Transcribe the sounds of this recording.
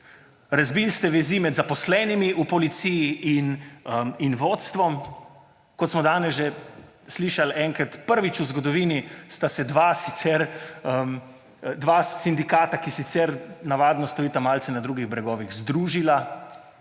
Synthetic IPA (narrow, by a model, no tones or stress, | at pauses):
ɾazbiːlst̪ɛʋɛziːmɛd̪zapɔslɛːnimiʔupɔlit̪sijiinəminʋot̪st̪ʋɔm | kɔt̪smɔd̪aːnɛzʒe | sliːʃalɛŋkɾat̪pəɾʋit͡ʃuzɡɔd̪ɔʋiːnist̪asɛd̪ʋaːsit̪sɛɾəm | d̪ʋaːsind̪ikaːt̪akisit̪sɛɾnaʋaːd̪nɔst̪ɔiːt̪amaːlt̪sɛnad̪ɾuːɡiɣbɾɛɡɔːʋiɣzd̪ɾuːʒila